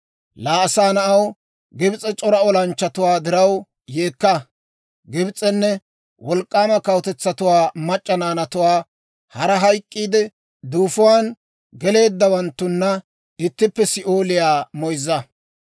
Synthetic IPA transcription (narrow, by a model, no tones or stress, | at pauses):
laːɐsaːnɐʔɐw | ɡɪbt͡sʼɛt͡ʃʼɔɾɐɔlɐnt͡ʃːɐt̪ʊwaːd̪ɪɾɐw | jeːkːɐ | ɡɪbt͡sʼɛnːɛ | wɔlkʼːaːmɐkɐwt̪ɛt͡sːɐt̪ʊwaːmɐt͡ʃʼːɐnaːnɐt̪ʊwaː | hɐɾɐɦɐjkʼːiːd̪ɛ | d̪uːfʊwaːn | ɡɛle̞ːd̪ːɐwɐnt̪ːʊnːɐ | ɪt̪ːɪpːɛsɪʔoːlɪjaːmɔjzːɐ